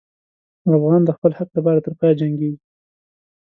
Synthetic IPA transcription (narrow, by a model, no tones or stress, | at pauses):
afɣɑnd̪əxpəlhaq̚lap̬ɑɾat̪əɾpɑjad͡ʒaŋɡeɡi